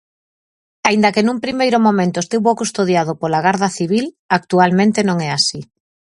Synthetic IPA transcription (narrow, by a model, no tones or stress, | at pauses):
aind̪ɐkenũmpɾimejɾʊmõmẽnt̪ʊest̪iβokust̪oðjað̞opolaɣaɾðɐθiβ̞il | ak̚t̪ualmẽnt̪enõŋɛasi